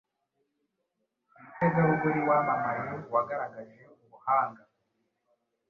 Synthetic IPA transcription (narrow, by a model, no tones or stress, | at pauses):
itezawuɡuɾiwamamajowaɡaɾaɡaʒeuβuhaːŋɡa